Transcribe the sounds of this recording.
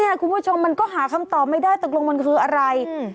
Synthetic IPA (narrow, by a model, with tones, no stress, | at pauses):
i˥˩˨kʰu˧npʰu˥˩t͡ɕʰo˧mːa˧nkɔː˥˩ɦaː˩˦kʰa˧mt̪ɔː˨˩p̚ma˥˩jdaː˥˩jt̪o˨˩k̚lo˧ŋma˧nkʰɯː˧ʔa˧ɾa˧j